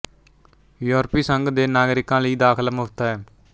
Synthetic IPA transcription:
joːɾpiːsəŋɡd̪eːnaːɡɾɪkãːləiːd̪aːkʰələmot̪aːɛː

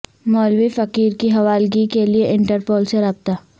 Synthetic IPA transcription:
mɔːlwifɐkiːɾkiɦɐʋaːlɡikelieʔɪ̃ɳʈəɾpoːlseɾɐːb̚t̪aː

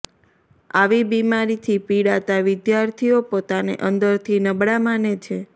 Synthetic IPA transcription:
aʋibimaɾit̪ʰipiɽat̪aʋɪd̪jaɾt̪ʰijopot̪anḛʔənd̪əɾt̪ʰinəbɽamanet͡ʃʰe

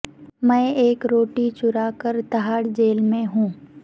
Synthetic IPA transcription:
mɛ̃ːeːkɾoːʈit͡ʃʊɾaːkəɾt̪ɐɦaːɽd͡ʒeːlmẽɦũː

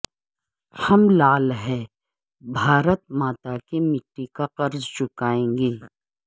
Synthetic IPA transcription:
hɐmlaːlɦɛː | bʱaːɾət̪̚maːt̪akemɪʈːikaqɐɾzt͡ʃʊkaːẽːŋɡeː

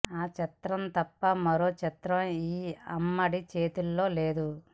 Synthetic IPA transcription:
aːt͡ʃɐt̪ɾɐmt̪ɐpːɐmɐɾo̞ːt͡ʃɐt̪ɾɐmiːɐ̰mːɐɽit͡ʃe̞ːt̪ulːo̞ːle̞ːd̪u

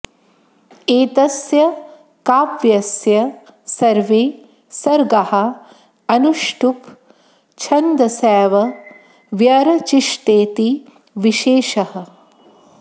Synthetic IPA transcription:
eːt̪ɐsjɐ | kaːpʋjɐsjɐ | sɐɾʋeː | sɐɾɡɐhɐ | ɐnuʂʈup | t͡ʃʰɐnd̪ɐsɛːʋɐ | ʋjɐɾɐt͡ʃiʂʈeːt̪i | ʋiʃeːʃɐhɐ

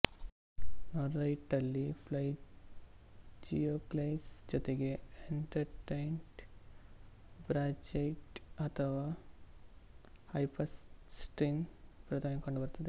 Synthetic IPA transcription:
noɾːɐjʈɐlːipʰlɐj | d͡ʒijoklejsd͡ʒɔt̪eɡeeɳʈɐɾʈejɳʈ | bɾad͡ʒejʈɐt̪ʰɐʋaː | hɐjpɐssʈɾinpɾɐt̪ʰɐmekoɳɖubɐɾt̪ɐd̪e

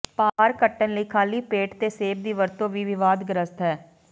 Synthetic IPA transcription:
paːɾkəʈːənləiːkʰaːliːpeːʈt̪eːseːb̚d̪iːʋəɾt̪õːʋiːʋɪʋaːd̪ɡəɾəst̪ɦɛː

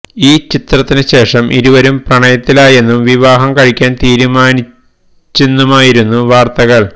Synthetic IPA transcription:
iːt͡ɕit̪rɐt̪ːinɨɕe̞ːʂɐmʔiɾuʋɐɾumprɐɳɐjɐt̪ːilaːje̞nːumʋiʋaːɦɐmkɐɻikʲːaːnt̪iːɾumaːni | t͡ɕːunːumaːjiɾunːuʋaːrt̪ɐɣɐɭ

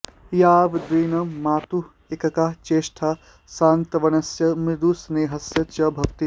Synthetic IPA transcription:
jaːʋd̪ɾiːnɐmaːt̪u | ekɐkaːt͡ʃeːʃʈʰa | saːnt̪ɐʋɐnɐsjɐmɾɪd̪usneːɦɐsjɐt͡ʃɐbʱɐkt̪i

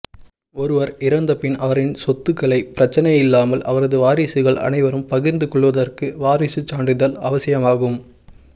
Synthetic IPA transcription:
ɔɾɯʋɐɾɪɾɐnd̪ɐpɪnɐʋɐɾɪnsɔt̪ːɯkːɐɭɐɪpɪɾɐt͡ʃːɐnɐjɪlːaːmɐlʔɐ̰ʋɐɾɐðɯʋaːɾisɯɣɐɭɐ̰nɐɪʋɐɾɯmpɐɣɪɾnd̪ɯkɔɭːɯʋɐðɐrkɯʋaːɾɪsɯt͡ʃːaːɳɖɪðɐlɐʋɐsɪjɐmaːɣɯm

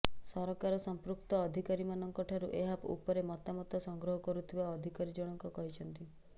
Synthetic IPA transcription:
sɔɾɔkaɾɔsɔmpɾuk̚t̪ɔːd̪ʱikaɾimanɔŋkɔʈʰaɾuʔeɦapṵpɔɾemɔt̪amɔt̪ɔsɔŋɡɾɔɦɔkɔɾut̪ʰibaɔd̪ʱikaɾid͡ʒɔɽ̃ɔŋkɔkɔɦit͡ʃʰɔnt̪i

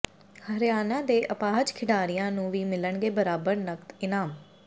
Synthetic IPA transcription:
həɾɪjaːnãːd̪eːʔəpaːɦd͡ʒkʰɪɖaːɾijãːnũːʋiːmɪləɳɡeːbəɾaːbəɾnəkt̪ɪnaːm

